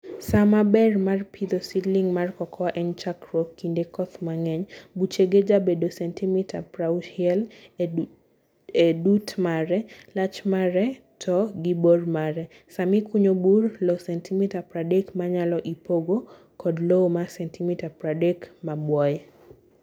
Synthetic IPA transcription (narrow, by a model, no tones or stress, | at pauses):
samabɛrmarpʰid̪ɔsidliŋmarkɔkʰɔwaʔɛnt͡ʃakɾɔkːindekɔt̪maŋɛɲbut͡ʃeɡed͡ʒabedosɛntʰimitʰapɾauʃɛl | edutmaɾɛlat͡ʃmaɾɛ | tʰɔɡibormaɾɛ | samikuɲoburlosɛntʰimitapɾadekmaɲalɔʔipoɡo | kɔdlomasɛntimitapɾadekmabwɔjɛ